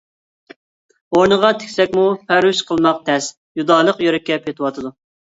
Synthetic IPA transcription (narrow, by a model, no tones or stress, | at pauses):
oɾnəʁɑt̪ʰe̥kʲsɛkʲmupʰæɾyʃqʰəlˠmɑq̚t̪ʰɛs | jud̪ɑːlˠəqjøɾɪkʲːɛpʰet̪ʰɨwɑt̪ʰɨd̪u